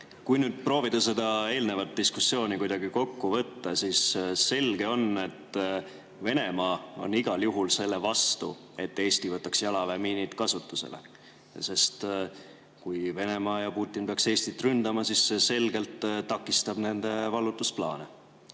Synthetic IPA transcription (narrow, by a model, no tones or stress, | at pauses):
kujnyːd̪̥̚pro̞ːvid̪̥ɑse̞d̪ɑe̞ːlne̞vɑt̪̚d̪ːiskusːjo̞ːnikujd̪̥ɑɡiko̞kːuvɤt̪ːɑsiːsse̞lɡ̥e̞o̞ne̞t̪ː | ve̞ne̞mɑːo̞̰niɡ̥ɑljuɦulse̞lːe̞vɑst̪ṵ | e̞t̪ːe̞ːst̪ivɤt̪ːˑɑksjɑlɑvemiːnit̪kɑsut̪ːˑuse̞̰lʔḛ | se̞st̪ | kujve̞ne̞mɑːjɑpuːt̪ʲˑːinpe̞ɑkse̞ːst̪it̪ːˑrynd̪ɑmɑsissese̞lɡ̥e̞lt̪t̪ːɑkːˑist̪ɑb̥ne̞nd̪̥e̞vɑlːut̪ːˑusplɑ̰ːne